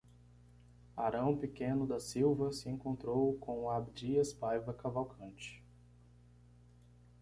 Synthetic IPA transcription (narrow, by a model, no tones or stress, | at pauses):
aɾɐ̃w̃pɪkẽnʊd̪ɐsiwvɐsɪẽkõnt̪ɾowkõw̃abd͡ʒiɐspajvɐkavawkʰɐ̃nt͡ʃɪ̥